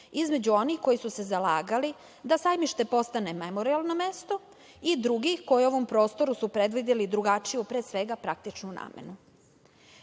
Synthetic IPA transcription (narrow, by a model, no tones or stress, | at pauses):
izme̞d͡ʑuo̞nixko̞jisuse̞zalaːɡali | d̪asajmiʃt̪e̞po̞st̪ane̞memo̞ɾialˠnomest̪o̞ | id̪ɾuɡixko̞jio̞ʋo̞mpɾo̞ːst̪o̞ɾusupɾed̪ʋid̪elid̪ɾuɡat͡ʂijupɾeːsʋe̞ɡapɾak̚t̪it͡ʂnuna̰ːmḛnu